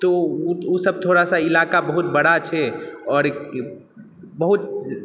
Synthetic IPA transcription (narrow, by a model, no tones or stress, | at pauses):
t̪ousəb̚t̪ʰoɽasailakabəɦut̪̚bəɽat͡ʃʰɛɔːɾk | bəɦut̪